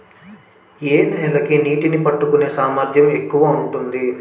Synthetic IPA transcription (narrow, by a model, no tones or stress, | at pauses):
eːnɛːlɐkiniːʈinipɐʈːukune̞ːsaːmaːɾd̪ʱjɐme̞kːuʋaːuɳʈund̪i